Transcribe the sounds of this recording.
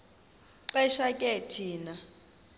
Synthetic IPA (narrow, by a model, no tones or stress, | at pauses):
ǃɛʃakʼɛtʰiːna